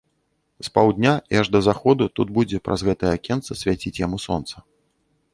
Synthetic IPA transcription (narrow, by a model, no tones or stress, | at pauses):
spawd̪ʲnʲaiaʐd̪ɐzaxɔd̪ut̪ud̪̚bud͡zʲɛpɾʔɐ̰zɣɛt̪ɐjɛakʲɛnt̪sɐsʲvʲat͡sʲit͡sʲjamusɔ̰nt̪sɐ